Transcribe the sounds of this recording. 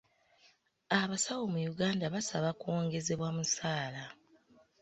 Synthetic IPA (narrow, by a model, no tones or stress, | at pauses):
aβasawomujuɡaːndaβasaβakuwo̞ːŋɡe̞ze̞βwamusaːla